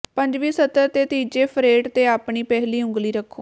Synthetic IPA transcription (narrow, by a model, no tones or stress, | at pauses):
pəɲd͡ʒʋiːsət̪əɾt̪eːt̪iːd͡ʒeːpʰɾeːʈt̪eːaːpɳiːpɛːɦliːʊ̃ŋɡliːɾəkʰːoː